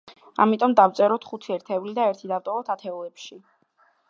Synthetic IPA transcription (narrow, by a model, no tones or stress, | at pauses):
a̰mit̪ʼɔmd̪avt̪sʼɛɾɔt̪ʰχut̪ʰiɛɾt̪ʰɛvlid̪aɛɾt̪ʰid̪avt̪ʼɔvɔt̪ʰat̪ʰɛɔlɛpʃi